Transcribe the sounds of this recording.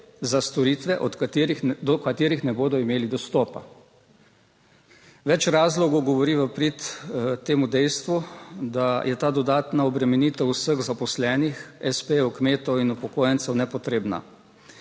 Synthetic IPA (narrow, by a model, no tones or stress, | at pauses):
zast̪ɔɾit̪ʋɛʔɔt̪kt̪ɾid̪ɔkat̪eːɾixnɛboːd̪ɔimeːlid̪ɔst̪ɔːpa | ʋɛt͡ʃɾaːzlɔɡɔwɡɔʋɔɾiʋəpɾit̪t̪eːmud̪ɛjst̪ʋud̪ajɛt̪aːd̪ɔd̪aːt̪naɔbɾɛmɛniːt̪əusəɣzapɔslɛːnixɛspeukmeːt̪ɔwinupɔkoːjənt̪sɛwnɛpɔt̪ɾeːbna̰